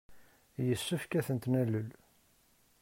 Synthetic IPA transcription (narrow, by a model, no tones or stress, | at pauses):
jəsːəfkæθənt̪nælːəl